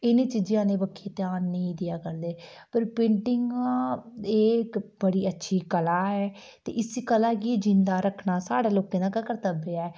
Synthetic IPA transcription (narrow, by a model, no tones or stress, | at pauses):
ɪnẽːt͡ʃɪd͡ʒjãːnẽːbəkʰːeːt̪ɪjaːnːəĩːd̪ɪjaːkəɾd̪eː | pəɾpẽɳʈɪŋɡãːeːkbəɽiːətːʃʰiːkəlaːɦɛː | t̪ḛːʔɪsikəlaːkid͡ʒɪnd̪aːɾəkʰɳaːsaːɽaːloːkẽːd̪aːkəkəɾt̪əbeːaːɛː